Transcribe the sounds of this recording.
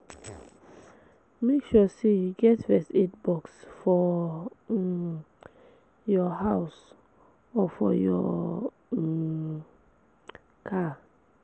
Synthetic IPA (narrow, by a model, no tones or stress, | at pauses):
mekʃusejuɡɛtvɛsɛtbɔksfɔ | jɔɦaʊs | ɔfɔ̰jɔ̰ | kʰa